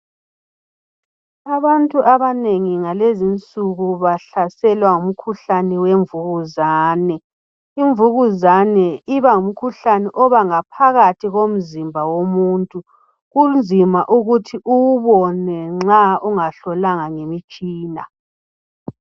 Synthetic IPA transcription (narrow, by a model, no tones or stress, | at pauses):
aβantʼuʔaβaneŋiŋalezint͡sʼuɣuβaɬasɛlwaŋum̩kʰuɬaniweɱvuɣuzaːnɛ | iɱvuɣuzanɛiβaŋum̩kʰuɬanɛʔɔβaŋapʰaɣatʰiɣom̩zimbʱawomuːntʼu | ɣund͡zʱimaʔuɣutʰiʔuwuβɔnɛŋ͡ǁauŋaɬɔlaŋaŋemit͡ʃʼiːna̰